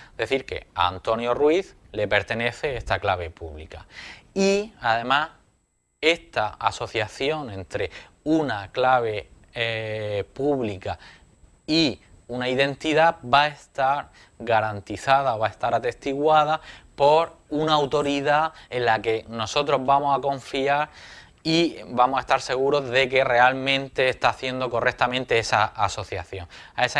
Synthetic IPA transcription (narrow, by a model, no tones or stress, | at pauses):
d̪̥e̞θiɾke̞̰a̰a̰nt̪o̞njo̞rwiθ | le̞pe̞ɾt̪e̞ne̞θe̞est̪aklaβ̞e̞pṵβlḭka̰iaðe̞mas | e̞st̪aaso̞θjaθjo̞ŋẽ̞nt̪ɾe̞ | unaklaβ̞e̞ | puβlika | i | unaiðe̞nt̪iðabae̞st̪aɾ | ɡaɾant̪iθað̞ao̞βae̞st̪aɾat̪e̞st̪iɣwað̞apo̞ɾunaːwt̪o̞ɾiðae̞nlake̞no̞so̞t̪ɾo̞zβamosako̞ɱfiaɾ | ibamosae̞st̪aɾse̞ɣ̞uɾo̞zðe̞ke̞re̞almẽ̞nt̪e̞ːst̪aːθje̞nd̪o̞ko̞rek̚t̪amẽnt̪e̞esaʔaso̞θja̰θjo̞ŋ | aes